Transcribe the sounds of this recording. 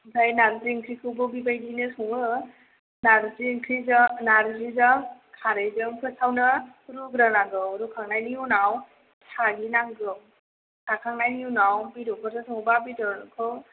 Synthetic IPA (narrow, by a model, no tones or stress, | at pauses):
zajnaɾziŋkʰɾikʰɯbɔbibajdinɯsɔŋɯ | naɾziŋkʰɾiznaɾzizaŋkʰaɾejzɯŋpʰɯsawnɯ | ɾuɡɾanaɡɯwɾukʰaŋnajniunaw | sʰaɡinaŋɡɯŋ | sʰakʰaŋnajniunawbiɾupʰɔɾsasʰɔŋbabitɔɾnkʰɯw